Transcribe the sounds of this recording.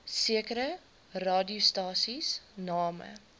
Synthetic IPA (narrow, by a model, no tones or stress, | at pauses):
siəkəɾə | rɑːdiustɑːsisnɑːmə̰